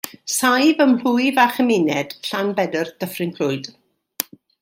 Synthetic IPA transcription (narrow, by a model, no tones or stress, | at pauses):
sajvəml̥ʊɨvaχəmɪnɛd̥ɬanbɛdərd̥əfrɪŋkʰl̥ʊɨd̥